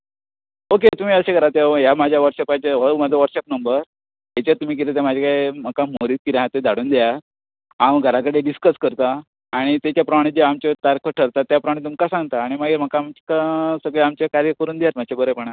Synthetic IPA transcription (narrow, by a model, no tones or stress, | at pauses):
oket̪um̤iːəɕeɡʱəɾat̪ejamad͡ʑʱjaʋəʈɕepat͡ɕeɦəmad͡zʱəʋəɾsep̚nəmbəɾ | ɦat͡ɕat̪um̤iːk̬iɾet̪̬jemad͡ʑʱakaem̤əkamoɾiːt̪̚kiɾeɦãt̪ed̪ʱaɽuːnd̪eja | amɡʱəɾakəɽeɖiskəskəɾt̪aː | ɽ̃it̪at͡ɕjapɾəmaɽ̃id͡ʑeamt͡ɕet̪aɾkʰəʈʰəɾt̪at̪ːjapɾəmaɽ̃it̪̬umkasãŋɡt̪aːɽ̃imaɡiːɾm̤əkakasəɡɭeamt͡ɕekaɾjəkəɾuːnd̪ejat̪m̤at͡ɕʰebəɾəpəɳ̃a